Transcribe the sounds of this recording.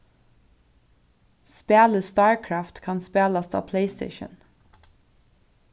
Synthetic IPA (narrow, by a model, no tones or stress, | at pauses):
speːləst̪ɑːɹkʰɹɑft̪kʰɑnspeːlɑst̪ʰɑ̰ːpʰleɪst̪ḛɪʃə̰n